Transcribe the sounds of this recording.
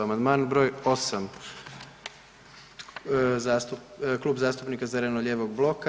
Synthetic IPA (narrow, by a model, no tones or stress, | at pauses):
amand̪maːnbɾojo̞sam | zasuklˠuːbzaːst̪upnikazeɾenoʎeːʋoɡblˠo̞ka